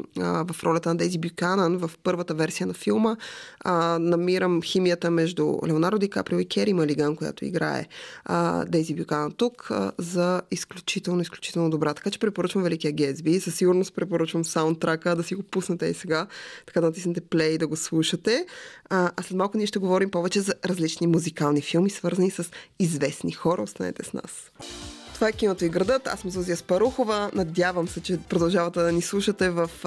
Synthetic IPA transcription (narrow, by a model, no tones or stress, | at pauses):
vɐfɾɔlʲɛɐt̪ənɐd̪ɛzibjukanənvəfpɤɾvət̪əvɛɾsijənɐfilˠmə | nɐmiɾəmximijət̪əmɛʒd̪ṵlɛonaɾd̪ovika̰pɾilikʰʲɛɾiməliɡankoja̰t̪o̰ḭɡɾa̰ɛ̰ | d̪ɛzibjukanənt̪ukzɐisklʲut͡ʃit̪ɛlˠnʊisklʲut͡ʃi̥t̪ɛlˠnod̪obɾat̪ɐ̥kat͡ʃɛ̥pɾɛpoɾət͡ʃvəmvɛlikiɐɡʲɛzbizɐsiɡʊɾnospɾɛpoɾət͡ʃvəmfsaʊnt̪ːɾakəd̪ɐsiɡopusnət̪ɛḭsɛɡat̪ɐ̥kad̪ɐnɐt̪isnɛt̪ɛplɛjd̪ɐɡoslˠuʃət̪ɛ | ʔɐslɛt̪malˠkʊniɛʃt̪ɛɡovɔɾimpɔvɛt͡ʃɛzɐɾɐzlit͡ʃnimuzikalˠnifilˠmisvɤɾzɐnisəsizvɛsnixɔɾə̰ost̪a̰nɛ̰t̪ɛsna̰s | t̪ovaɛk̟inot̪oiɡɾɐd̪ɤt̪a̰smzuzijəspɐɾuxovənɐd̪ʲjavəmsɛt͡ʃɛpɾod̪ɐlˠʒavɐt̪ɛd̪ɐnislˠuʃət̪ɛvəf